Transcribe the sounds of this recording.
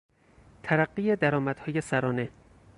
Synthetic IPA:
t̪ʰæɾæɢːiːjed̪æɾɒːmæd̪̥hɒːjesæɾɒːne̞

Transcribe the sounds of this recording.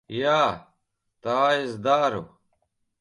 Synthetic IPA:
jaː | t̪aːizd̪aːɾo̰

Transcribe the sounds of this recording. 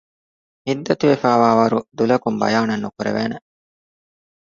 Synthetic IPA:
hid̪ːɐt̪uʋefaːʋaːʋɐɾud̪ulɐkumbɐ̰jaːnɐnːukuɾḛʋḛːne

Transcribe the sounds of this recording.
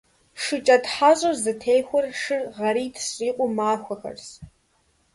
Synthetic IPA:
ʂɨt͡ʃʼɐdħaɕʼɐrzɨtʰejxʷɔrʂɨrʁɐɾiːtʰsiːqʷʼʊmaːxʷɐxɐ̰rs

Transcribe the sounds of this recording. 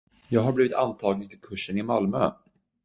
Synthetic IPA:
jɑːɡɦaɾbliːvɪt̪ant̪ʰɑːɡnɪnfʰɪlkʰɵʂːənɪmalmø̰ː

